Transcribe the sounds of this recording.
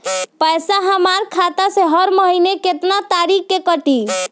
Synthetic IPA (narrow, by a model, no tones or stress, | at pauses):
pəjsaɦəmaɾkʰat̪aseɦəɾməɦineket̪nat̪aɾikːekəʈi